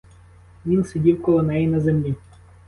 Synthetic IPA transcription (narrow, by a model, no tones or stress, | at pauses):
ʋʲinsʲedʲiwkɔlˠɔnɛjinɐzemlʲi